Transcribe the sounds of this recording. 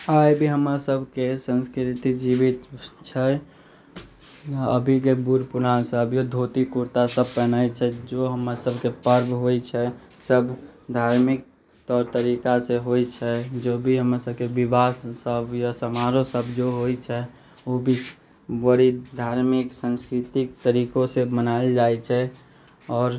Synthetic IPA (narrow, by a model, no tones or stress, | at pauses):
ajbʱiɦəmɾasəbʱkesə̃nskɾɾit̪id͡ʒibit̪t͡ʃʰɛ | ə̰bʱikebuɾpunasəbjod̪ʱot̪ikuɾt̪asəb̚pɛnajt͡ʃʰɛd͡ʒoɦəmɾasəbʱkepəɾbʱɦojt͡ʃʰɛ | səbd̪ʱaɾmik̚ | t̪ɔːɾt̪əɾikaseɦoit͡ʃʰɛd͡ʒobʱiɦəmasəb̚ʱkebibasːəbʱjasəmaɾosəbd͡ʒoɦojt͡ʃʰɛ | obʱi | wəɾid̪ʱaːɾmɪksə̃nskɾɪt̪ɪk̚t̪əɾikõsemənaeld͡ʒat͡ʃʰɛ | ɔːɾ